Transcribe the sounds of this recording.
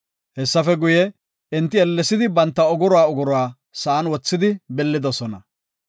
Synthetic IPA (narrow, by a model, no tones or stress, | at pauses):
hɛsːɐfɛɡʊjɛ | ɪnt̪ːɪɛlːɛsɪd̪ɪbɐnt̪ːɐʊɡʊɾɔwaːʊɡʊɾʊwaː | sɐʔːnwɔt͡sːɪd̪ɪbɛlːɪd̪ɔsɔnɐ